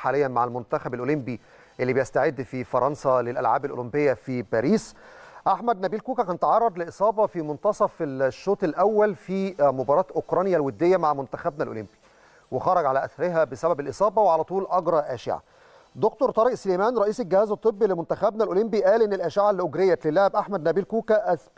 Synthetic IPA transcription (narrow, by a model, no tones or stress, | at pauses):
ħaːlɪjːænmaʕalmʊnt̪æxæbælʔolembi | ʔelːibejæst̪aʕed̪ːfifɑɾˤɑnsɑlelʔæ̰lʕa̰ːbælʔo̰lombejːæfibæːɾiːsʔaħmæd̪̚næbiːlkuːkækænet̪ʕɑrˤːɑd̪ˤleʔesˤɑːbɑfimont̪ɑsˤɑfeʃːoːt̪ˤelʔæwːælfiːmobɑɾˤɑːt̪ʔokɾˤɑnjælwed̪ːejːæmaʕmʊnt̪æxæbnælʔo̰lɪmbi | wexɑɾˤɑɡʕalæʔæ̰θɑɾɪɦæbesæbæbelʔesˤɑːbɑweʕalæt̪ˤuːlʔɑɡɾˤɑʔæːʃɪ̰ʕa̰ | d̪okt̪oɾt̪ˤɑɾeʔsleːmæːnɾˤɑʔiːselɡɪhæːzwet̪ˤːɨbːilemont̪æxæbnælʔolembiʔæːlʔenːelʔæːʃɪʕalːiʔoɡɾejːælelːæhæbʔaħmæd̪næbiːlkuːkæʔæ